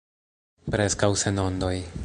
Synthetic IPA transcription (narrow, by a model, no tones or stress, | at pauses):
pɾeskawseno̞nd̪o̞j